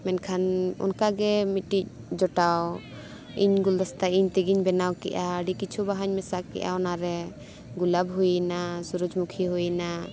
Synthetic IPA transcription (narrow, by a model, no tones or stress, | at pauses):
mɛnkʰanɔ̰nkaɡɛmit̪̚ːic̚ | d͡ʒɔʈaw | ḭɲɡuld̪ɔst̪aiɲt̪ɛɡiɲbɛnawkɛ̰ʔaəɖikit͡ʃʰubaɦaɲmɛsakːɛ̰ʔa̰ɔnaɾɛ | ɡulabɦujnasuɾud͡ʒmukʰiɦujna